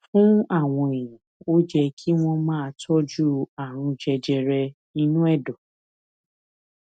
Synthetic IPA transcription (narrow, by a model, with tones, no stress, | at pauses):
fũ˦a˦˨w̃ɔ̃˧e˨jã˨o˦d͡ʒɛ˧kʰi˦w̃ɔ̃˧mãː˦˧tʰɔ˦d͡ʒu˦a˨ɾ̃ũ˧d͡ʒɛ˧d͡ʒɛ˧ɾɛ˧ | i˧nũ˦ɛ˦˨dɔ̃˨